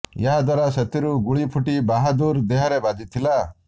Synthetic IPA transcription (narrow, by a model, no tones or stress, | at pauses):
jaɦad̪waɾaset̪iɾuɡuɭipʰuʈibaɦad̪uɾd̪eɦɔɾebad͡ʒit̪ʰila